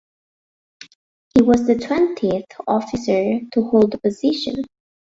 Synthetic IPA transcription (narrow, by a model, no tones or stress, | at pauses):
hiwʌzðɨtʰw̥ɛ̃ntʰiɨθɔfɨsə˞tʰuhoʊlˠd̪əpɨzɪʃɨ̰̃n